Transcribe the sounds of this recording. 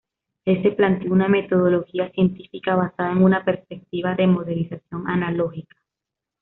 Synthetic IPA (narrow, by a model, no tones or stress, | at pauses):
ese̞plant̪jouname̞t̪o̞ð̞o̞lo̞xiasje̞nt̪ifikaβasaðae̞ŋunape̞ɾspe̞k̚t̪iβaðe̞mo̞ðelisasjo̞ŋanalo̞xikḁ